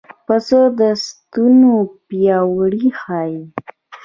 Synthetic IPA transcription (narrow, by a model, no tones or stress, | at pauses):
pəsəd̪əst̪unopjɑwɽixɑji